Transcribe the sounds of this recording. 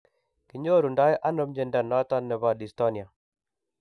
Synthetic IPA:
ki˨ɲo˦ɾu˨nda˦jʔa˦no˦md͡ʒɛ˦nda˨nɔ˦t̪a˦nːɛ˨βa˨ɗi˨sto˦ni˨a˨

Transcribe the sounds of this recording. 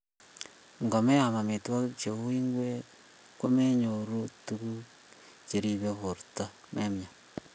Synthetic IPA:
ŋɡo˨me˦ja˨ma˨me˨twɔ˦t͡ʃe˨u˦i˦ŋɡwe˦ | ko˦me˦ɲo˨ɾu˦tu˦ku˦ | t͡ʃe˨ɾi˦βe˨βo˨ɾta˦ | mʔe˦mja˨

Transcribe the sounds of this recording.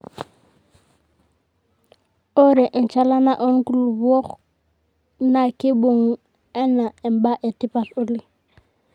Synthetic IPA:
o˦ɾɛ˨ʔɛ˨nt͡ʃa˦la˦na˨ʔɔ˦nku˦˨lu˨bɔ˦χ | na˨kɪ˦bo˨ŋ | ɛ˦na˨ɛ˨mba˦ʔɛ˨tɪ˦pa˨ɬʊ˦lɪ˦˨

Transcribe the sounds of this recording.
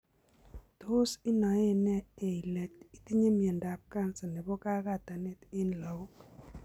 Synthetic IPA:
to˦sɪ˦nɔ˨e˦nɛ˦e˨i˨lɛ˨ti˦ti˦ɲe˦mi˨e˨nda˨p̚ka˦nsɛ˨nɛ˨bɔ˦ka˦ka˦˨ta˨nɛ˦tɪ˦nla˨o˦k

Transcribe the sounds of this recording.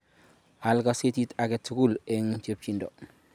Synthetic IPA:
a˨lɡa˦se˦ti˦ta˨ɡe˦tːu˦ɡu˦le˨ŋt͡ʃe˦p̚t͡ʃi˨ndo˨

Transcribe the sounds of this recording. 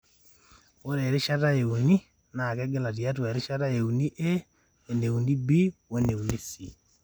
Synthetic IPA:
wo˦ɾe˨ɾɪ˦ʃa˦ta˦e˨u˨ni˦ | na˨kɛ˦ɡɛ˦la˨t̬i˨ja˦t̬we˨ɾɪ˦ʃa˦ta˦e˨u˨ni˦ʔe˦ | e˨ne˨u˨ni˦bi˦wo˦ne˨u˨ni˦si˦

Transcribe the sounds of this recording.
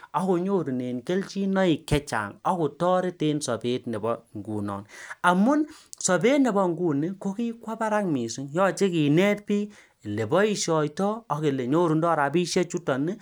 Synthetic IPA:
ɔ˦ko˧ɲo˦ɾu˨ne˨nke˦lt͡ʃi˦nɔ˦i˨kɛ˦t͡ʃa̰˨ŋɔ˦ko˨tɔː˦ɾe˦te˦nsɔ˨pe˦t̚ne˨bɔ˦ŋɡṵ˨nɔ̰ː˨na˨mu˦nsɔ˨be˦tne˨bɔ˦ŋɡu˦˨ni˦ko˦ki˦kwa˦pa˦ɾa˦ŋmi˨su˦ŋjɔː˦t͡ʃe˦ki˨nɛ˦t̚piː˦˨ | le˨bɔ˦i˦ʃɔ˨jtɔː˦˨ke˨le˨ɲo˦ɾu˨ndɔ˦ɾa˨pi˦ʃɛ˦t͡ʃu˦tɔ˨ni˦

